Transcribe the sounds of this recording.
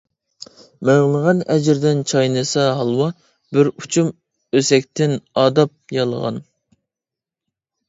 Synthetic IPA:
mæʁlˠəʁɑnɛd͡ʒɪɾd̪ɪnt͡ʃʰɑjnɨsɑɦɑlˠwɑ | bɪɾut͡ʃʰum | øsɛk̚ʲt̪ʰɪnɑːd̪ɑp̚jɑlˠə̰ʁɑ̰n

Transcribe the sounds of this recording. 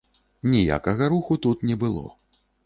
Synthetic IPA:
nʲija̰kɐɣɐɾuxut̪ut̪nʲɛbɨlˠɔ̰

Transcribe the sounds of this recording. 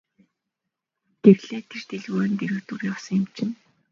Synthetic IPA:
ɡ̥erɮeːt̪ʰert̪eɮɣʊ̆ːnt̪eɾɘ̆ːkt̪urjawsə̆ŋjɪ̆mt͡ɕʰɪ̆n

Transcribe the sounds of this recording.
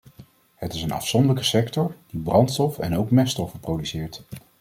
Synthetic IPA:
ɦətɪsənɑ̰fsɔndələkəsɛktɔɹd̥ibrɑntstɔfɛ̰nowkmɛstɔfəprowdysɪːɹt

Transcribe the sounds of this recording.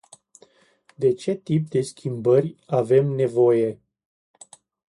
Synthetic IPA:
d̪e̞t͡ʃe̞t̪ip̚d̪e̞skʲimbərʲave̞mne̞vo̞je̞

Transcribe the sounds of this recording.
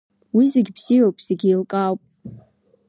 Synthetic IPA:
wizeɡʲbz̥ijowpʼz̥eɡʲiilkʼawpʼ

